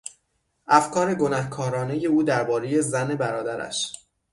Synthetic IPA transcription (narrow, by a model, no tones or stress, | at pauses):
ʔæfkʰɒːɾe̞ɡo̞næhkʰɒːɾɒːne̞je̞uːd̪æɾbɒːɾe̞je̞zæne̞bæɾɒːd̪æɾæ̰ʃ